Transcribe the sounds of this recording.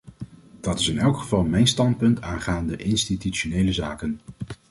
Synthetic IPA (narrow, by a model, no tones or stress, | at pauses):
d̥ɑtɪsɪnɛlˠkχəvɑlˠmɛjnstɑnt̚pɵntʰaːnχaːndəʔɪnstityt͡ʃonejləzaːkən